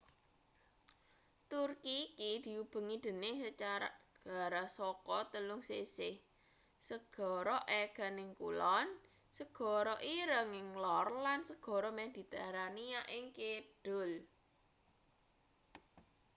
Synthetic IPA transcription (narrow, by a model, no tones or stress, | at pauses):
t̪urkikid̪̥i̤ub̥ə̤ŋid̪̥ə̤nɪhsət͡ʃaɾaɡ̥a̤ɾasɔkɔt̪əlʊŋsesɪh | səɡ̥ɔ̤ɾɔʔɛɡ̥a̤nɪŋkṵlɔn | səɡ̥ɔ̤ɾɔʔiɾəŋɪŋlɔrlansəɡ̥ɔ̤ɾɔmehd̪̥i̤t̪aɾanijaʔɪŋkeɖ̥ʊl